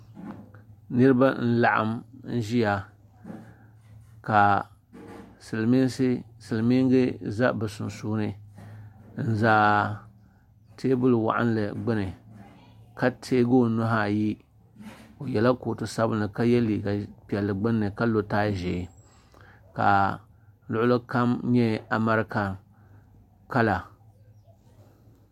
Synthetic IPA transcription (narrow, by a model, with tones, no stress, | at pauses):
nɨ˦ɾɨ˦ba˦n̩˦la˨ʔa̰˦mn̩˦ʒi˦ja˨ | ka˨ | sɨ˨lmi˦sɨ˦sɨ˨lmi˦ŋ˦ɡɨ˦za˦bɨ˨sʊ˨nsuː˦nɨ˦ | n̩˦zaː˦ | tʰeː˦bʊ˦lwa̰˨ʔa̰˦n˦lɨ˨ɡ͡bɨ˦nɨ˨ | ka˦tʰeː˦ɡo˦˨nʊ˦ɦa˦ji˦ | o˨jɛ˨la˦koː˨tɨ˨sa˦bɨ˦nɨ˨ka˦jɛ˦liː˨ɡa˨pi˨ɛ˨lːɨ˨ɡ͡bɨ˦nːɨ˨ka˦lo˨taː˦ʒe˨ | ka̰˨ | lʊ˦ʔʊ˦lɨ˦ka˦mɲɛ˦a˨ma˦ɾɨ˦ka˨ | ka˦la˨